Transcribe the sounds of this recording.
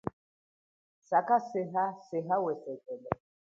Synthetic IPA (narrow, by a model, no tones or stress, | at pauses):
sakʼasɪɦasɪɦawɛsɛkʼɛlɛ